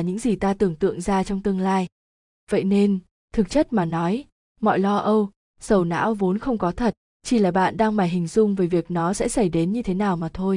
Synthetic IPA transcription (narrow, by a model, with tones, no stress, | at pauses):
ɲɨ̰˧˥ŋzi˨˩t̪aː˧t̪ɨ˨˩əŋt̪ɨ̰˧˨əŋzaː˧t͡ɕɔ˧wŋ͡mt̪ɨ˧əŋlaː˧j | və̰˧˨jne˧n | t̪ʰɨ˨˩k̚t͡ɕə˦˥t̚maː˨˩nɔ˨˦j | mɔ̰˧˨jlɔ˧ʔə˧w | sə˨˧˩wna̰ː˧˥wvo˨˦nxə˧wŋ͡mkɔ˨˦t̪ʰə˨˩t̚ | t͡ɕi˧˩laː˨˩ɓa̰ː˧˨nɗaː˧ŋmaː˨˩jɦï˨˩ŋ̟zʊ˧ŋ͡mvəː˨˦jvi˨˩ək̚nɔ˨˦sɛ̰˧˥sə˧˩jɗe˨˦nɲɨ˧t̪ʰe˨˦naː˨˩wmaː˨˩t̪ʰo˧j